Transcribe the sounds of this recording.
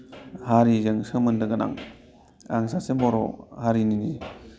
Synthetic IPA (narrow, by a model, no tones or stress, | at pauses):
haɾizɯŋsɯmɯndɯɡɯna̰ŋ | a̰ŋsasembɔɾɔ̰haɾinini